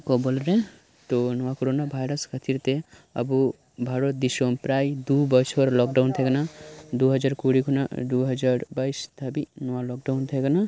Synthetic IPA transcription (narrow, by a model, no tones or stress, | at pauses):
kɔbolɾe | t̪onɔʋakoɾonabʱajɾəskʰət̪ʰiɾt̪e | ə̰bu | bʱaɾot̪̚d̪isompɾajd̪ubət͡ʃʰpəɾlɔk̚ɖawnt̪ʰɛɡənad̪uɦəd͡ʒaɾkuɽikʰuna̰d̪uɦəd͡ʒaɾbaist̪ʰəbinɔʋalɔk̚ɖaʊnt̪ʰeɡəna